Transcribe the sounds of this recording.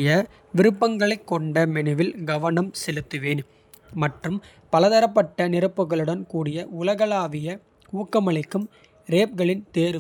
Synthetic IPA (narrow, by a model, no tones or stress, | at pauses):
jɐ | ʋɪɾɯpːɐŋɡɐɭɐɪkːɔɳɖɐmɛnɯʋɪlɡɐʋɐnɐmsɛlɯt̪ːɯʋeːn | mɐʈrɯm | pɐlɐðɐɾɐpːɐʈːɐnɪrɯpːɯɣɐɭɯɽɐnkuːɽɪjɐʊlɐɣɐlaːʋɪjɐ | uːkːɐmɐɭɐɪkːɯm | ɾeːp̚ɡɐɭɪnt̪eːɾɯ